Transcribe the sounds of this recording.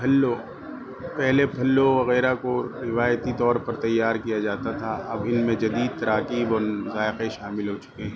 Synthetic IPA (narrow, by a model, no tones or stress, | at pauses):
pʰɐlːo | pɛɦlepʰɐlːoʋɐɣɛːɾakoɾɪʋaːjət̪it̪ɔːɾpɐɾt̪ɐjːaːɾkijad͡ʒaːt̪at̪ʰaɐbɪnmẽd͡ʒɐd̪iːd̪̚t̪ɐɾaːkiːbɔːɾʊzaːɪqeʃaːmɪlɦot͡ʃʊ̥keɦɛ̃ː